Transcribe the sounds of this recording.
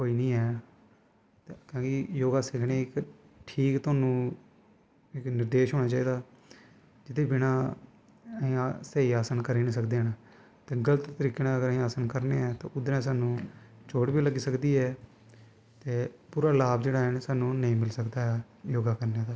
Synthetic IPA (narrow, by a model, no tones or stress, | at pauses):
koːiːnĩːɛː | t̪ekõːkɪjoːɡaːsɪkʰneːɪk | ʈʰiːkt̪ʊaːnũː | ɪknɪɾd̪eːʃɦoːñaːt͡ʃaːiːd̪aː | d͡ʒɪt̪ːeːbɪnãː | ĩːaseːiːaːsənkəɾiːnĩːsəkd̪eːnaː | t̪eːɡəlt̪ːt̪əɾiːkeːnãːəɡəɾĩːaːsənkəɾneːɛːt̪ã̰ːʊd̪ɾɛ̃ːs̬aːnũːt͡ʃoːʈbiːləɡiːsəkd̪iːɛː | t̪eːpuːɾaːlaːbd͡ʒeːɽaːɦɛsaːnũːnəĩːmɪlsəkd̪aːɦɛː | joːɡaːkəɾneːd̪aː